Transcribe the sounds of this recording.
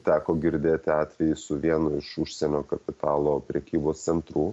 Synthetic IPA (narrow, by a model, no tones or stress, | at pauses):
t̪ʲæːkoːɡʲɪɾʲd̪ʲeːt̪ʲɪɑːt̪ʲʋʲɛjɪsʊʋʲiɛnʊɪʃʊʃʲsʲɛnʲoːkɐpʲɪt̪ɑːlˠoːpʲɾʲɛkʲiːboːst̪sʲɛnt̪ɾuː